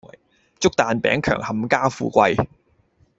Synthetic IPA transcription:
t͡sʊ˥k̚t̪aː˨˧npɛ̰ː˨˥ŋkʰœ̰ː˨˩ŋhɐ˨mkaː˥fṵː˧kʷɐ˧j

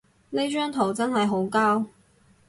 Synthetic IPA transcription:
ne˥t͡ʃœː˥ŋt̪ʰo˨˩wt͡sɐ˥nɦɐ˨jɦo˨˥wkaː˥w

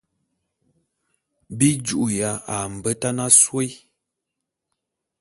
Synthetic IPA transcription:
bi˦d͡ʒu˨ʔu˨ja˨a˨m̩˨bə˦ta˦na˦swe˦j

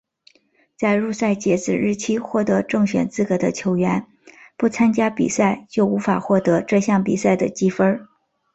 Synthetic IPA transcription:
t͡sa˥˧ɪɻu˥˧sa˥˩ɪt͡ɕjɛ˧˥t͡sɹ̩˨˩ɻɻ̩˥˩t͡ɕʰi˥xwɔ˥˩t̪ɤ˧˥ʈ͡ʂɤ˥˩ŋɕɥɛ̰˨˩nt͡sɹ̩˥˩kɤ˧˩d̪ə˦t͡ɕʰjo˧˥ʊɥɛ˧˥n | pu˥˩t͡sʰa˥nt͡ɕja˥pḭ˨˩sa˥˩ɪt͡ɕjo˥˩ʊu˧˥fa˨˩xwɔ˥˩t̪ɤ˧˥ʈ͡ʂɤ˥˧ɕjɑ˥˩ŋpi˨˩sa˥˩ɪd̪ə˩t͡ɕi˥fə˥

